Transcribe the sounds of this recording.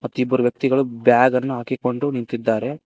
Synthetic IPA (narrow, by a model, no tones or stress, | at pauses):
mɐt̪ːuibːɐɾuʋjɐk̚t̪iɡɐɭubjaːɡɐnːuɦaːkiko̞ɳɖunint̪id̪ːaːɾe̞